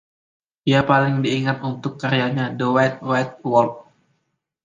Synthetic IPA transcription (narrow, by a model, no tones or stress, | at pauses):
diapalɪŋdiːŋat̪unt̪ʊkːaɾiaɲadəwajt̪̚wat̪̚wɔrt̚